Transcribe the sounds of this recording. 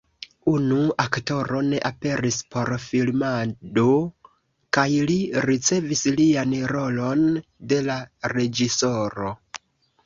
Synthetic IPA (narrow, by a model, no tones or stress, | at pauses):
unuakto̞ɾo̞ne̞ʔape̞ɾispʰo̞ɾfilmado | kajliɾit͡se̞vislianɾo̞lo̞n | de̞laɾe̞d͡ʒiso̞ɾo̞